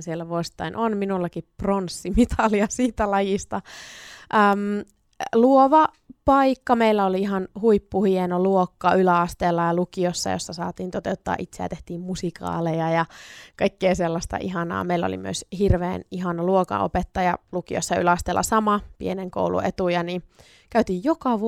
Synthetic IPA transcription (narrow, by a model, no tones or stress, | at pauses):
sielːæʋuosi̥t̪ːˑɑinʔonminulːɑkipronsːimit̪ʰɑliɑsiːt̪ælɑjist̪ɑʔəːm | luoʋɑ | pɑikːɑmeilːæoliiɦɑnhuipːuhienoluokːɑylæɑst̪elːɑjɑlukiosːɑ̰jo̰sːɑsɑːt̪iːnt̪ot̪eut̪ːɑ̰ːʔit̪seæ̰t̪eht̪iːmmusikɑ̰ːlejɑjɑkɑikːeːselːɑst̪ɑ̰ʔiɦɑnɑ̰ːmeilæo̰lḭmyø̰shirʋḛːniɦɑnɑluokɑ̰o̰pet̪ːɑjɑlukio̰sːɑylæɑst̪elːɑ̰sɑmɑpḭeneŋko̰ulṵḛt̪ujɑni | kæyt̪iːjjokɑʋ